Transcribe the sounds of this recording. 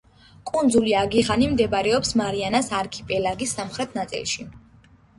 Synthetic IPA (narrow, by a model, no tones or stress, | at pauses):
kʼund̪zuliaɡiʁanimd̪ɛbɾɛɔpsmaɾianasaɾkʰipʼɛlaɡisːamχɾɛt̪ʰnat̪sʼḭlˠʃi